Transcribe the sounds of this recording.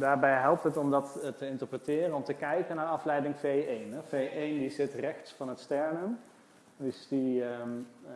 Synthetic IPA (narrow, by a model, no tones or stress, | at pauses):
daːɹbɛjɦɛlˠp̚tɦətɔmdɑttəɪntəɹprətɪːrənɔmtəkɛjkənaːɹɑflɛjdɪŋfejejnɛvejʔejndizɪtrɛxtsfɑnɦətstɛɹnən | dəsdi